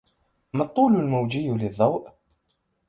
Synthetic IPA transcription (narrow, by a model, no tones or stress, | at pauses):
mɑt̪ˤːuːlʊlmawd͡ʒɪjːlɪðˤːɑwʔ